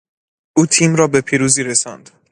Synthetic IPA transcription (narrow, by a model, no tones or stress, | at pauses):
ʔuːt̪ʰiːmɾɒːbe̞pʰiːɾuːziːɾe̞sɒ̰nd̪̥